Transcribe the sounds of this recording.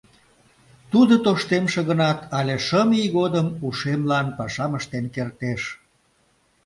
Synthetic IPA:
t̪ud̪ət̪oʃt̪emʃeɣənɑt̪ɑlʲeʃəmijɣod̪əmuʃemlɑnpɑʃɑməʃt̪enkert̪eʃ

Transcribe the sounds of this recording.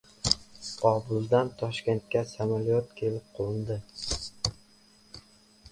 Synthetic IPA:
ɒbʊld̪ant̪ʰɒʃkʲe̞nt̪̚kʲasamalijɒt̪̚kʲʰe̞lɪp̚qʰolɪnd̪ɪ

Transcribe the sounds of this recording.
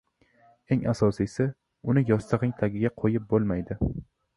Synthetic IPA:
e̞ŋasɒsisɪ | ʊnɪjɒst̪ʰɨʁɪŋt̪ʰaɡʲɪɡʲaqʰojɪp̚bolˠmajd̪ɪ

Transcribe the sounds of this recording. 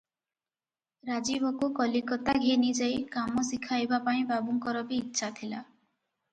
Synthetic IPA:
ɾad͡ʒibɔkukɔlikɔt̪aɡʱenid͡ʒajkamɔsikʰajbapaĩbabuŋkɔɾɔbiːtːʃʰat̪ʰila

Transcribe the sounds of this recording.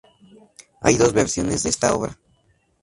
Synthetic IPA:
a̰jðo̞zβeɾsjo̞ne̞zd̪eest̪ao̞̰βɾa

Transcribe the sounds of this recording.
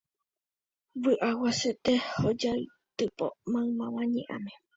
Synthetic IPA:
βɨʔawaset̪ehod͡ʒai | t̪ɨpo̰mãɨmãwãɲḛ̃ʔã̰mẽ

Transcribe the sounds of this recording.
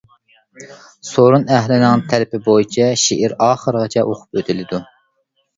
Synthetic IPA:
soɾunæɦlɪnɪŋt̪ʰɛlɪpɪbojit͡ʃʰɛʃiʔɪɾɑːχəɾʁɑt͡ʃʰɛʔoqʰʊ̥pøt̪ʰɪlɪd̪u

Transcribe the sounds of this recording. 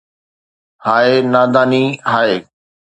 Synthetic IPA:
haːenaːd̪aːniːɦaːeː

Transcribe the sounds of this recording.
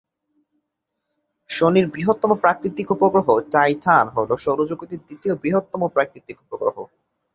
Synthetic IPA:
ʃoniɾbɾiɦot̪ːɔmopɾakɾit̪ikupoɡɾoɦot͡ɕajtʰanɦoloʃɔɾod͡ʑoɡit̪iɾd̪it̪iobɾiɦot̪ːɔmopɾakɾit̪ikupoɡɾo̰ɦo

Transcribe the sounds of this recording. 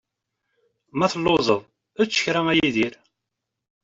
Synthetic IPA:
mæθəlːozˤəðˤ | ət͡sːə̥çɾæmæjiðiɾ

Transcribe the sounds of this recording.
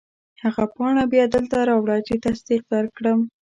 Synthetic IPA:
haɣapɑɳabjɑd̪əlt̪aɾɑwɽɑt͡ʃit̪asd̪iq̚d̪əɾkɽəm

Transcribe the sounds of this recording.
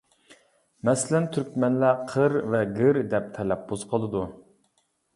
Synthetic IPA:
mɛsɪlɛnt̪ʰyɾkʲmɛnlæqʰəɾvɛɡɨɾd̪ɛp̚t̪ʰɛlɛp̚boz̥qʰəlˠɨd̪u

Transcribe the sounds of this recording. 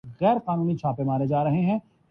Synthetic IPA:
ɣɛːɾqaːnũːnit͡ʃʰaːpemaːɾed͡ʒaːɾɐɦeɦɛ̃ː

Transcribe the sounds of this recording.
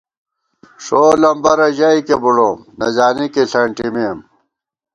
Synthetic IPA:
ʂoːlɐmbɐɾɐʑaikebuɽoːmnɐzaːnikiɬɐɳʈimim

